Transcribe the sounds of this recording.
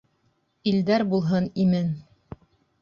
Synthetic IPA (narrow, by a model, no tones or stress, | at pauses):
ild̪æɾbulˠɦɤnimɘn